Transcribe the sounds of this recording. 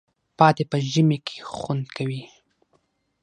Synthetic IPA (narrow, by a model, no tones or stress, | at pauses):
pɑt̪epəʒəmekʰe̥xwand̪kawi